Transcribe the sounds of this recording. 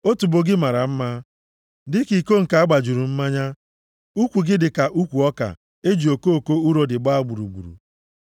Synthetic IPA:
o˦tu˨bo˦ɡɪ˦ma˨ɾa˨m̩˦ma˦ | dɪ˦ki˨ko˦ŋ̩˨ka˨a˦ɡ͡ba˨d͡ʒu˨ɾu˨m̩˦ma˦ɲa˦ | u˦kʷu˨ɡɪ˦dɪ˨ka˨ʔu˦kʷu˨ɔ˦ka̰˨ | e˦d͡ʒi˨o˨ko˦o˨ko˦u˦ɾo˦dɪ˨ɡ͡ba˦˨ɡ͡bu˨ɾṵ˨ɡ͡bṵ˨ɾṵ˨

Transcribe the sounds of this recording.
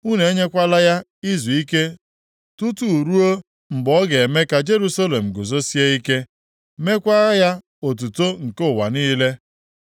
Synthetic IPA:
u˦ne˨e˦ɲe˦kʷa˦la˦ja˦i˦zu˨i˦ke˦ | tu˦tu˨u˨ɾu˦o˦ | m̩˨ɡ͡bɔ˦ɡe˨e˨me˦ka˨d͡ʒe˦ɾu˦sa˦le˨m̩˨ɡʊ˨zo˦si˦e˦i˦ke˦ | me˦kʷa˦ja˦ | o˨t̬u˨to˦ŋ̩˨kʊ˦˨wa̰˨niː˦le˦

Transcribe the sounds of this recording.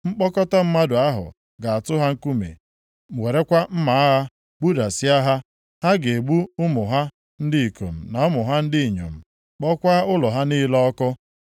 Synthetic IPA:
ŋ͡m̩˦k͡pɔ˦kɔ˦ta˦m̩˦ma˦dʊ˨a˦ɦʊ̰˨ | ɡa˨a˨tʊ˦ɦa˦ŋ̩˦ku˦mḛ˨ | m̩˨we˨ɾe˦kʷa˦m̩˦ma˨˦ɦa˦ | ɡ͡bu˦da˨sɪ˦a˦ɦa˦ | ha˦ɡe˨e˨ɡ͡bu˦ʊ˦mʊ˨ɦa˦ | n̩˦dɪ˦i˨ko̰˨m̩˨na˨ʊ˦mʊ˨ɦa˦n̩˦dɪ˦i˨ɲo̰˨m̩˨ | k͡pɔ˦kʷa˦ʊ˦lɔ˨ɦa˦ni˦lɔ˦kɔ˦

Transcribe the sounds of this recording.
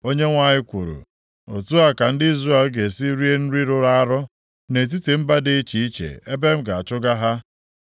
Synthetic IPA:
o˦ɲe˦ŋʷa˨ɲɪ˦kʷṵ˨ɾṵ˨ | o̰˨tu˦a˦ka˨n̩˦dɪ˦i˦zra˦e˨lɡe˨si˦ɾi˦e˦n̩˦ɾi˦ɾʊ˦ɾa˦a˦ɾʊ˦ | ne˨t̬i˦ti˨m̩˦ba˦dɪ˦i˦t͡ʃi˨˦i˦t͡ʃḛ˨e˦be˦m̩˦ɡa˨a˨t͡ʃʊ˦ɡa˦ɦa˦

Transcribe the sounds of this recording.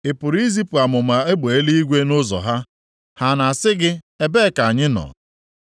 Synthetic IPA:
ɪ˨pʊ˨ɾi˦zi˦pu˨a˨mʊ˨ma˨e˦ɡ͡be˨e˦li˦i˦ɡʷe˦nʊ˦zɔ̰˨ɦa˦ | ha˨na˨a˨sɪ˦ɡɪ˦ | e˦be˦˨ka˨a˨ɲɪ˦nɔ̰˨

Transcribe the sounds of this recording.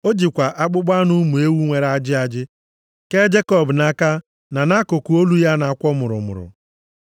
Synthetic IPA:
o˦d͡ʒi˨kʷa˨ʔa˦k͡pʊ˦ɡ͡ba˦nʊ˦mu˨e˦wu˦ŋʷe˨ɾa˦d͡ʒɪ˦a˨d͡ʒɪ˦ | ke˦d͡ʒe˦kɔ˦˨bna˦ka˦ | na˨na˦kʊ˨ku˨o˦lu˦ja˦na˨a˨kʷɔ˦mʊ˨ɾʊ̰˨mʊ̰˨ɾʊ̰˨

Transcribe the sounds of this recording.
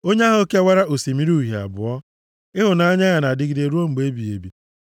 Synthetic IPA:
o˦ɲe˦a˦ɦʊ˨˦ke˦a˦wa˦ɾa˦ʔo˨si˨mi˦ɾu˦˨ɦi˨a̰˨bʊ̰˨ɔ˦ | ɪ˦ɦʊ˨na˦a˦ɲa˦ɣa˨na˨dɪ˦ɡi˨˦de˨ɾu˦o˦ŋ͡m̩˨ɡ͡be˦bi˨e˨bi˨

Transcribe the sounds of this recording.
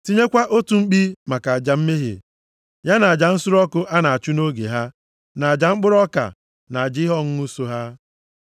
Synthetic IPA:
ti˦ɲe˦kʷa˦ʔo˦tu˨ŋ͡m̩˦k͡pi˦ma˨ka˨a˨d͡ʒa˨m̩˦me˦ɦḛ˨ | ja˦na˨a˨d͡ʒa˨n̩˦sʊ˦ɾɔ˦kʊ˦ʔa˦na˨a˨t͡ʃu˦no˦ɡḛ˨ɦa˦ | na˨a˨d͡ʒa˨ŋ͡m̩˦k͡pʊ˦ɾɔ˦ka̰˨ | na˨a˨d͡ʒɪ˦ɦɔ˦ŋ̩˦u˦so˨ɦa˦

